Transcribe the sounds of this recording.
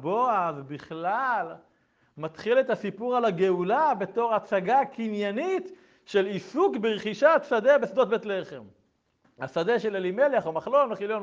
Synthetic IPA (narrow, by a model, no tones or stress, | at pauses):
boavbiχlal | mat̪χile̞tasipuʁalaɡe̞ulabe̞to̞ʁat͡saɡakinjanit̪ | ʃe̞lisukbeʁχiʃat̪sad̪ebesd̪ot̪̚bet̪le̞χe̞m | ha̰sad̪eʃelelimelaχomaχlo̞lmeχiljon